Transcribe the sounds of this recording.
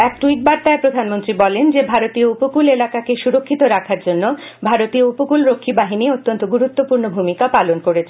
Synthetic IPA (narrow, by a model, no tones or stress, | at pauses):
ɛk̚ʈuiʈ̚baɾt̪aepɾod̪ʱanmont̪ɾibɔlend͡ʑebʱaɾot̪ioupokulelakakeʃuɾokʰːit̪oɾakʰaɾd͡ʑonːo | bʱaɾot̪ioupokulɾokʰːibaɦiniot̪ːont̪oɡuɾut̪ːopuɾnobʱumikapalonkoɾet͡ɕʰe